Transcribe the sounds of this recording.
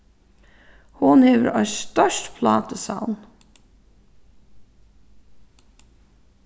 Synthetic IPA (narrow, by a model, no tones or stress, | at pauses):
hʊnheːʋə̰ɾʔɑ̰ʏsst̪œʃtpʰlɑːt̪əsa̰ʊn